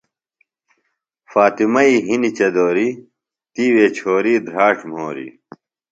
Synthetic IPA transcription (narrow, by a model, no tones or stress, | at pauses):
faːt̪imɐiɦinit͡ɕɐd̪oːɾi | t̪iːweːt͡ɕʰoːɾiːd̪ʱɾaːʈm̤oːɾḭ